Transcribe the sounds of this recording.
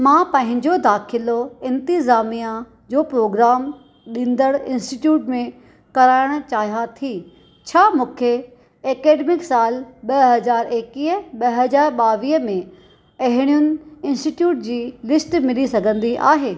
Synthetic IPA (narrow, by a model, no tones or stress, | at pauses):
mãːpɐ̃ɦɪ̃ɲd͡ʑod̪aːxʰɪloɪ̃nt̪ɪzaːmija | d͡ʑoːpɾoːɡɾaːm | ɗĩːnd̪əɽɪ̃nsʈiʈjuːʈmẽ | kɐɾaːɪɽ̃̆t͡ɕaːɦijat̪ʰiː | t͡ɕʰaːmũːkʰe | eːkeːɖmɪksaːlɓɐɦɐzaːɾeːkiːəɓɐɦɐzaːɾɓaːʋiːɦəmẽ | ɐɦɪɽ̃ijʊnɪ̆ɪ̃nsʈiʈjuːʈ̚d͡ʑiːlɪsʈmɪlisɐɡʱə̃nd̪iʔa̰ːɦeː